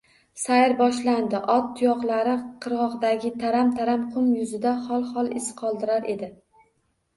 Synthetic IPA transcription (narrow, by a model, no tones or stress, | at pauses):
sajɪɾbɒʃland̪ɪʔɒt̪ːʰʊjɒqlˠaɾɪqʰɨɾʁɒʁd̪aɡʲɪt̪ʰaɾamt̪ʰaɾamqʰʊmjʊzɪd̪aχɒlˠχɒlˠɪsqʰɒlˠd̪ɪɾaɾʔe̞d̪ɪ